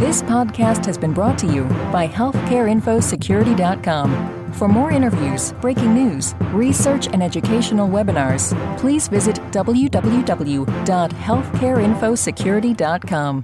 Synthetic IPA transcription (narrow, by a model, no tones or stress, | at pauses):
ðɪspʰɑd̚kʰæst̚hɨzbɨ̃nbɹɔtʰɨjʉb̥aɪhɛlˠθkʰɛɹɪ̃ɱfoʊsɨkʰj̥ʊɹɨɾidɑt̚kʰɑ̃m | fə˞mɔɹɪ̃ɾ̃ə˞vjʉz̥b̥ɹeɪkɪ̃ŋnʉz̥ɹisɜ˞t͡ʃɨ̃nɛd͡ʒɨkʰeɪʃn̩l̩ˠwɛbɨnɑɹz̥pʰl̥izvɪzɨtd̥ʌbl̩ˠjʉdʌbl̩ˠjʉdʌbl̩ˠjud̥ɑt̚hɛlˠθkʰɛɹɪ̃nfoʊsɨkʰj̥ʊɹɨɾidɑt̚kʰɑ̃m